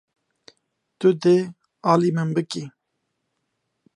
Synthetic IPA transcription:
t̪ʊd̪e | ɑːlimɨnbɨki

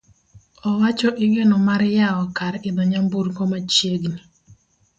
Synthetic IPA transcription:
ɔwat͡ʃɔʔɪŋɛnɔmaɾjaɔkaɾɛɪd̪ɔɲambuɾkɔmat͡ʃjeɡni

